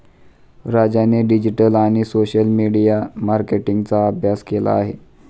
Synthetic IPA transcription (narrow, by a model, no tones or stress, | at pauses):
ɾad͡ʑaneɖid͡ʑiʈəlaɽ̃isoɕəlmiɽijamaɾkeʈiŋɡt͡saːbʱjaskela̰ːɦe